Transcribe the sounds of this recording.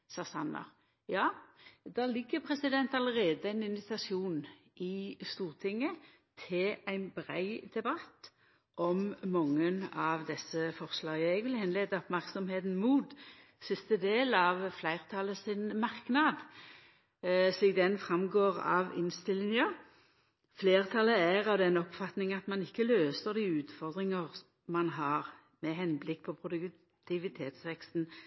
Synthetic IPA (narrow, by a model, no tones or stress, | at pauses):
sɑːsɑnːə̰ʁ | jɑːd̪ɑːlɪɡːəpʰʁɛsɪd̪ɛnt̪ɑləʁeːd̪əæɪnɪnʋɪt̪ɑsɪuːn | ʔɪst̪uːʁt̪ʰɪŋːə | t̪ʰɪlæɪnbʁæɪd̪̥ɛbɑt̪ː | ʔɔmmɑŋːənɑʋd̪ɛsːəfɔʁslɑːɡɛɡʋɪlhɛnleːd̪əɔpmæʁksɔmheːt̪n̩muːt̪ | sɪst̪əd̪eːlɑʋflæɪʁt̪ʰɑləsɪnmɑʁknɑd̪ | ʂliːk̚d̪ɛnfʁɑmɡoːʁɑ̰ʋɪ̰nst̪ɪlːɪŋə | fleːʁt̪ʰɑləæʁɑʋd̪ɛnɔpfɑt̪nɪŋɑt̪mɑnɪkːəløːsəʁd̪iːʉːt̪fɔʁd̪ʁɪŋəʁ | mɑnɦɑʁ | mɛɦɛnblɪkːpʰɔpʰʁʊd̪ʉk | t̪ʰɪʋɪt̪ʰeːt̪sʋɛkst̪n